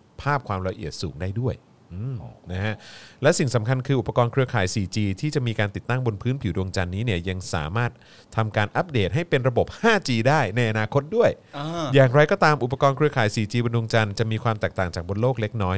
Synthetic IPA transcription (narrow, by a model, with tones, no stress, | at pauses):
pʰaː˥˩p̚kʰwaː˧mɾa˧ʔḭ˨˩ət̪̚suː˩˦ŋdaː˥˩jdu˥˩əj | ʔɯː˧˩mna˦˥kʰa˦˥ʔlɛ˦˥si˨˩ŋsa˩˦mkʰa˧nkʰɯː˧ʔu˨˩pːa˧kɔː˧nkʰɾɯ˧ɐkʰaː˩˦jsiː˨˩t͡ɕiː˧t̪ʰiː˥˩t͡ɕa˨˩miː˧kaː˧nt̪i˨˩t̪ːa˥˩ŋbo˧npʰɯː˦˥npʰi˨˩˦du˧əŋt͡ɕa˧nːiː˦˥ni˥˩ɐja˧ŋsa̰ː˩˦maː˥˩t̪̚ʰ | a˧mkaː˧nʔa˦˥p̚deː˨˩t̪̚ɦa˥˩jpe˧nɾa˧bo˨˩p̚haː˥˩t͡ɕiː˧daː˥˩jna˧jʔa˧naː˧kʰo˦˥t̪̚du˥˩əj | jaː˨˩ŋɾa˧jkɔː˥˩t̪aː˧mʔu˨˩pːa˧kɔː˧nkʰɾɯ˧ɐkʰaː˩˦jsiː˨˩t͡ɕiː˧bo˧ndu˧ə˧ŋt͡ɕa˧nt͡ɕa˨˩miː˧kʰwaː˧mt̪ɛː˨˩k̚t̪aː˨˩ŋt͡ɕaː˨˩k̚bo˧nloː˥˩k̚le˦˥k̚nɔː˦˥j